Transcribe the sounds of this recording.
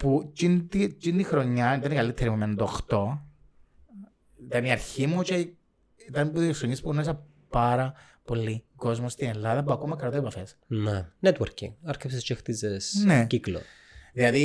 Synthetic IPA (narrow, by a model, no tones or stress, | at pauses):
put͡ʃint̪it͡ʃint̪ixɾo̞ɲːɐit̪ɐnikɐlit̪ʰːeɾimument̪oxt̪o̞ | it̪ɐniɐɾçimut͡ʃe | it̪ɐnpuðieksoɲispunoisɐ | pɐɾɐ | po̞lːiɡo̞zmost̪ine̞lːɐðɐpuɐkomɐkɾɐt̪oepɐfe̞s | nenet̪woɾcḭŋɐɾcepsest͡ʃext̪izesneciklo̰ | ðilɐði